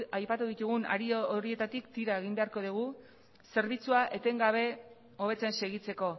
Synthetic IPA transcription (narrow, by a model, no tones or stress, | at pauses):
ajpat̪uðit̪uɣuna̰ɾiooɾie̞t̪at̪ikt̪iɾaeɣ̞imbe̞aɾko̞ð̞iɣ̞u | se̞ɾβ̞it͡suaʔe̞t̪e̞ŋɡaβ̞e̞ | o̞β̞e̞t͡sense̞ɣ̞it͡se̞ko̞